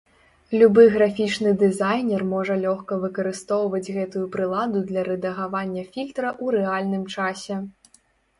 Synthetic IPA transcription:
lʲubɨjɣɾafʲit͡ʂnɨd̪ɛzajnʲɛrmɔʐɐlʲɔxkɐvɨkɐɾɨst̪ɔwvɐd͡zʲɣɛt̪ujupɾɨlˠad̪ud̪lʲɐɾɛd̪ɐɣavanʲːɐfʲilʲt̪ɾɐʔuɾɛalʲnɨmt͡ʂasʲɛ

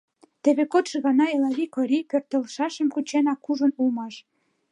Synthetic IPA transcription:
t̪ĕβekot̪ʃəɣɑnɑelɑβikoɾipørt̪əlʃɑʃə̆mkut͡ɕenɑkːuʒə̆nulmɑʃ

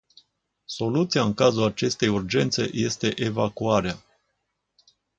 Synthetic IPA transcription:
so̞lut̪siaɨŋkazulat͡ʃe̞st̪e̞jurd͡ʒe̞nt̪se̞̰je̞st̪e̞ʔe̞vakuaɾea

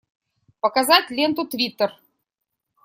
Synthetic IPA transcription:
pə̆kazɑtʲlʲent̪ut̪vʲit̪ːər

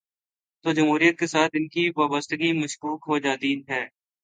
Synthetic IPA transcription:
t̪oːd͡ʒɐmɦuːɾijət̪̚kesaːt̪ɪnkiʋaːbəst̪əɡimɐʃkuːkɦod͡ʒaːt̪iɦɛː

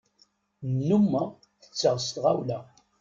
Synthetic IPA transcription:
nːumːə | θə̥t͡sːəʁst̪ʁawlæ

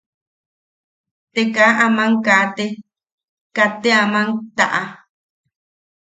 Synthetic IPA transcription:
t̪ekaʔamãŋkat̪e | kat̪eamãŋt̪a̰ʔa

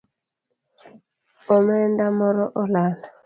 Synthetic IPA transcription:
omɛndamɔɾɔʔɔlana

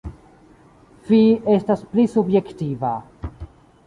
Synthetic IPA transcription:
fie̞stasplisubjektiva

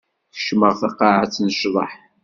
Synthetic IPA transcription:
θə̥ʃməʁθɑqːɑʕat͡sːnəʃðˤɑħ

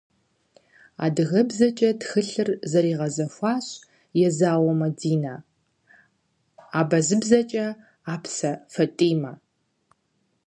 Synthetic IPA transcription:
a̰ːdɨɣɐbzɐt͡ʃʼɐtxɨɬɨrzɐɾiːʁɐzɐfʷɑːɕʼ | jɛzaːwɔmɐdiːnaː | aːbɐzɨbzɐt͡ʃʼɐ | aːpsɐfɐtʼiːmɐ

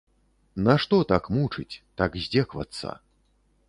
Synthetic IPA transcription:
naʂt̪ɔt̪akmut͡ʂɨ̰t͡sʲt̪akzʲd͡zʲɛkva̰t̪sa̰

